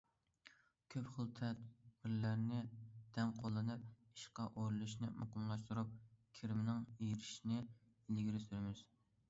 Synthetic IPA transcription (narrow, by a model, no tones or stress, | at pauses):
kʲʰøpχəlˠt̪ʰɛt̪b̥ɪɾlæɾnɪd̪̥ɛmqʰolˠːɨnɨp̚ | i̥ʃqɑʔoɾɨlˠuʃnɪmɑ̰qɨmlˠɑʃt̪uɾup̚kʲʰiɾɪmɪnɪŋijɾɪʃinɪ | ɪlɡʲiɾɪsyɾɪmɪz̥